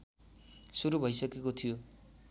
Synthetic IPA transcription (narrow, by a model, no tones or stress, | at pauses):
suɾubʱʌjsʌkekot̪ʰijo